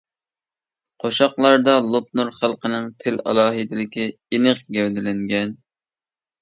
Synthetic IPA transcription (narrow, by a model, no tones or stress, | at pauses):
qʰoʃɑqlˠɑɾd̪ɑlˠop̚nuɾχælˠqənɨŋt̪ʰɪlɑ̰lˠɑːɦɨd̪ɪlɪkʲi | inɨqɡʲɛwd̪ɪlɪŋɡʲɛn